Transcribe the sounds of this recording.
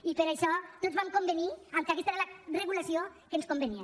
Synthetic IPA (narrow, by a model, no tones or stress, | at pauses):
ipəɾaʃɔt̪otzβamkombəniamkakɛst̪aeɾalareɣulasiokenskombənia